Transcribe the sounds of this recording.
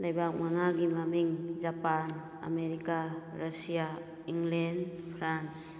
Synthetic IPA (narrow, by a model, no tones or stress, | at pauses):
lajbak̚maŋaɡimamiŋd͡ʒapan | a̰meɾikaɾasija | iŋlenpʰɾans